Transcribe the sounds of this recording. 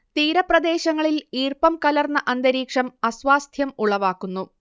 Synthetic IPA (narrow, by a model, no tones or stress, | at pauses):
t̪iːɾɐprɐd̪e̞ːɕɐŋːɐɭiliːrpɐmkɐlɐrnːɐʔɐnd̪ɐɾiːkʂɐmɐsʋaːst̪ʰjɐmuɭɐʋaːkːunːu